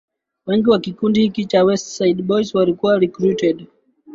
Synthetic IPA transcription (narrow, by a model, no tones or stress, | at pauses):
wɛŋɡiwakikundihikit͡ʃawɛstsaidɓɔjswalikuwaɾikɾutɛd